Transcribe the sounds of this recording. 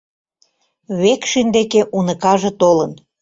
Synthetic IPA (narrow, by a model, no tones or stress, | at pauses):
βekʃynd̪ekeʔunəkɑʒĕt̪olən